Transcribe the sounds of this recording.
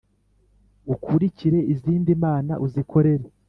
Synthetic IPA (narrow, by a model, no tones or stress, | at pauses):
ukʰuɾiciɾe̞iziːndimaːna̰ʔuzikʰo̞ɾe̞ɾe